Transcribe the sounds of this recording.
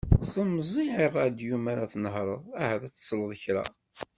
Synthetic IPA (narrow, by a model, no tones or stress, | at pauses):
θəmzˤiʕirˤːɑd̪jumæɾæθnəhɾˤəðˤæhæðæt͡sːə̥sˤləðˤəçɾæ̰